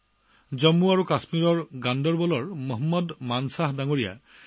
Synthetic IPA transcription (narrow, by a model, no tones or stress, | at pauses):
zɔmːuaɹukasmiɹɔɹɡandɔɹbɔlɔɹmɔɦɔmːɔdmansaɦdaŋoɹija̰